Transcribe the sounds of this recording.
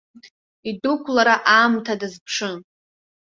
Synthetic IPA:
idukʷʰlaɾaʔaːmtʰadɨzpʰʂɨn

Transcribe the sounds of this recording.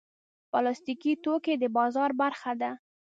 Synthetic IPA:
bɑlɑst̪ikit̪oked̪əbɑzɑɾbaɾxad̪a

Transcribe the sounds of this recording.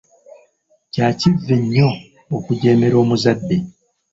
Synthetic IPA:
caːcivːeɲːo̞ː | kuɟe̞ːme̞ɾo̞ːmuzadːe̞

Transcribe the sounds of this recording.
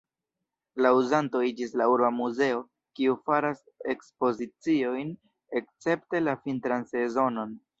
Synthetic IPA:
lauzanto̞id͡ʒislauɾbamuze̞o̞ | kiufaɾas | e̞kspo̞zit͡sio̞jn | e̞k̚t͡se̞pte̞lafintɾanse̞zo̞no̞n

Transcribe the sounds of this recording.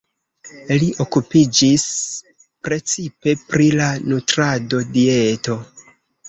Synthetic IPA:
liʔo̞kupid͡ʒis | pɾe̞t͡sipe̞pɾilanutɾado̞die̞to̞

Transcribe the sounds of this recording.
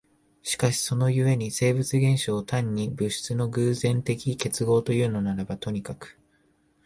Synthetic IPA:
ɕi̥kaɕi̥so̞no̞jɯ̟e̞ɲ̟ise̞ːbɯ̟t͡sɨɡẽ̞ɰ̃ɕoːt̪ãɲ̟ːibɯ̟ɕi̥t͡sɨno̞ɡɯ̟ːzẽ̞nt̪e̞kʲike̞t͡sɨɡo̞ːt̪o̞jɯ̟ːno̞naɾabat̪o̞ɲ̟ikakɯ̥

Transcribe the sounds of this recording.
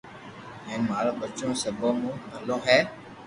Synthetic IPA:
ɦɛ̃ːnmaːlõːbət͡ʃõːsəbõːmũːbʱəlõːɦɛː

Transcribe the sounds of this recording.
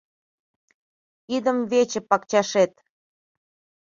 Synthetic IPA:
id̪əmvet͡ɕĕpɑkt͡ɕɑʃet̪

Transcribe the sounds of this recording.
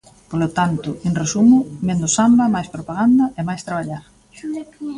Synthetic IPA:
polot̪ant̪ʊenresumʊmend̪ʊsambɐmajspɾopaɣand̪ɐʔemajst̪ɾaβ̞aʎaɾ

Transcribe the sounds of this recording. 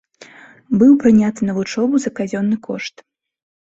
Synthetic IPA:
bɨwpɾɨnʲat̪ɨnɐvut͡ʂɔbuzɐkazʲɔnːɨkɔʂt̪

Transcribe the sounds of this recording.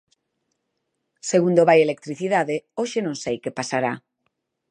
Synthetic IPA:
seɣund̪oβajelek̚t̪ɾiθiðaðeoʃenõŋsejkepasaɾa

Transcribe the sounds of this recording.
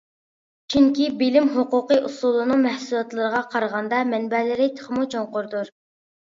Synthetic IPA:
t͡ʃʰyŋkʲibɪlɪmɦoqʊqəʔusulˠɨnɨŋmɛhsulˠɑt̪lˠɨɾəʁɑqʰɑɾʁɑnd̪ɑmɛnbɛlɪɾɪt̪ʰə̥χʰəmut͡ʃʰoŋqʊɾd̪uɾ

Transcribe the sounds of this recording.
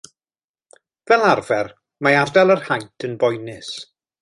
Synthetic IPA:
vɛlˠarvɛr | maardɛlˠərhajtʰənbɔjnɪs

